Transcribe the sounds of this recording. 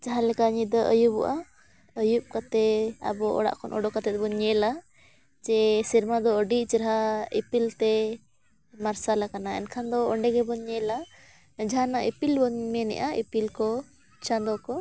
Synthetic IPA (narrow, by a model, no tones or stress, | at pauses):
t͡ʃaɦãlɛkaɲid̪ɔʔəjubɔ̰ʔa | əjup̚kat̪ɛa̰bɔɔ̰ɽa̰ʔkʰɔnʔɔ̰ɖɔkat̪ɛt̪̚bɔɲɛla | d͡ʒɛsiɾmad̪ɔəɖit͡ʃɾɦaipilt̪ɛ | maɾsalakanaɛ̰nkʰand̪ɔɔɳɖɛɡɛbɔɲɛla | d͡ʒaɦanaʔipilbɔɲmɛnɛ̰ʔaipilkɔ | t͡ʃand̪ɔkɔ